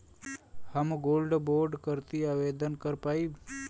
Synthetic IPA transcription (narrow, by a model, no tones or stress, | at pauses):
həmɡoːlɖboːɾɖkəɾt̪iaʋed̪ənkəɾpai